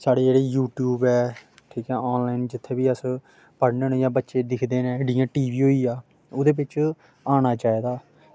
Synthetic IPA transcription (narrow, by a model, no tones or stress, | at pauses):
saːɽeːd͡ʒeːɽeːjuːʈjuːbɛː | ʈʰiːkɛːɔːnlaːind͡ʒɪt̪ʰːeːbiːəs | pəɽneːnõːjãːbətːʃeːd̪ɪkʰd̪eːnẽːɖɪjãːʈiːʋiːɦoːiːaː | ʊd̪eːbɪt͡ʃ | aːñaːt͡ʃaːeːd̪aː